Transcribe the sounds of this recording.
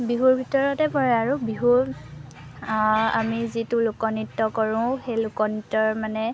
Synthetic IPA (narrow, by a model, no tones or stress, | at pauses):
biɦuɹbʱitɔɹɔtɛpɔɹɛaɹubiɦuɹ | a̰mizitulʊkɔnitːɔkɔɹʊ̃xejlʊkɔnitːɔɹmanɛ